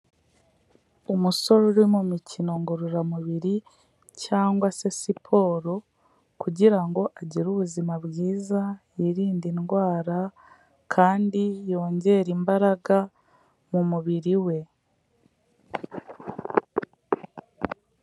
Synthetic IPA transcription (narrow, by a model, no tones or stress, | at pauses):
omuso̞ɾoɾimumicino̞ŋɡoɾuɾamuβiɾi | caːŋɡwase̞sipʰo̞ːɾo̞ | kuɟiɾaŋɡo̞ʔaɟiɾuβuzimaβjiːza | iɾiːndinɡwaːɾa | kʰaːndijo̞ːɲɟe̞ɾimbaɾaɡa | mumuβiɾiwe̞